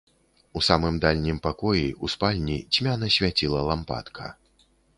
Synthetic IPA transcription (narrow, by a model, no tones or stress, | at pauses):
usamɨmd̪alʲnʲimpakɔjiʔuspalʲnʲit͡sʲmʲanɐsʲvʲat͡sʲilˠɐlˠampa̰t̪kʰɐ̰